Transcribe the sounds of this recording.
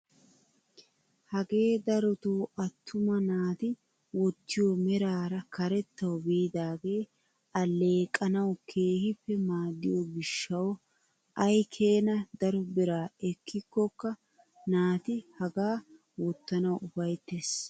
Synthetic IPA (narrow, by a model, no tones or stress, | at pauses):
hɐɡe̞ːd̪ɐɾɔt̪uːʔɐt̪ʰːʊmɐnaːt̪ɪ | wɔt̪ːɪjomɛɾaːɾɐkɐɾɛt̪ːɐwbiːd̪aːɡe̞ː | ɐlːe̞ːkʼːɐnɐwkʰe̞ːhɪpːɛmaːd̪ːɪjoɡɪʃːɐw | ʔɐjkʰe̞ːnɐd̪ɐɾɔbɪɾaːɛkːɪkːɔkːɐ | naːt̪ɪhɐɡaː | wɔt̪ːɐnɐwʔʊfɐjt̪ːeːs